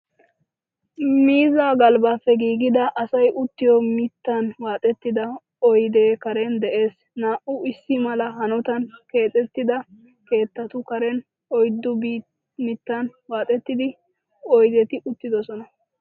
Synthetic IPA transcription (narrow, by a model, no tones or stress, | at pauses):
miːzaːɡɐlbaːfːɛɡiːɡɪd̪ɐʔɐsɐjʔʊt̪ːɪjɔmɪt̪ːɐnwaːt̪ʼɛt̪ːɪd̪ɐ | ɔjd̪e̞ːkɐɾɛnd̪ɛʔe̞ːs | naːʔʊɪsːɪmɐlɐɦɐnʊt̪ɐnke̞ːt̪ʼːɛt̪ːɪd̪ɐ | ke̞ːt̪ːɐt̪ʊkɐɾɛn | ɔjd̪ːʊb | mɪt̪ːɐnwaːt̪ʼɛt̪ːɪd̪ɪ | ɔjd̪ɛt̪ɪʔʊt̪ːɪd̪ɔsɔnɐ